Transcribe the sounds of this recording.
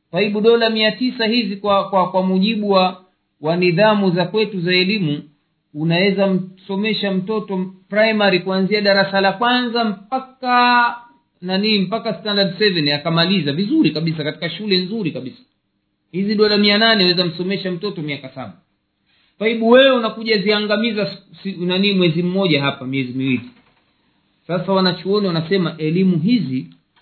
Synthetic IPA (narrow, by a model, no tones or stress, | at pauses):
faiɓuɗɔlamiatisahizikwakwakwamuʄiɓuwa | waniðamuzakwɛtuzaɛlimu | unawɛzam̩sɔmɛʃam̩tɔtɔpɾajmaɾikuanziaɗaɾasalakwanzam̩paka | naninim̩pakastandadsɛvɛnakamalizavizuɾikaɓis̬akati̥kaʃulɛnzuɾikaɓisḁ | hiziɗɔlamiananɛawɛzam̩sɔmɛʃam̩tɔtɔmiakasa̰ɓa | faiɓuwɛunakuʄaziaŋɡamizassinanimwɛzim̩mɔʄaɦapamiɛzimiwili | sasawanat͡ʃɔɔniwanasɛmaʔɛlimuɦizi